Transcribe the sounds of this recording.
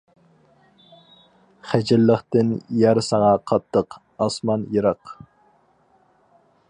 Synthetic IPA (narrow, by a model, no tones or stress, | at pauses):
χæd͡ʒɪlːəχt̪ɪnjæɾsɑŋɑqʰɑt̪ʰːəq | ɑsmɑnjeɾɑq